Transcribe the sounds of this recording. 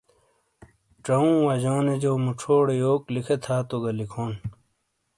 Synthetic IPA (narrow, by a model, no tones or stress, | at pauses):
ʈ͡ʂɐũːwɐd͡ʑoːned͡ʑoːmuʈ͡ʂʰoːɽejoːklikʰet̪ʰaːt̪oɡɐlikʰoːn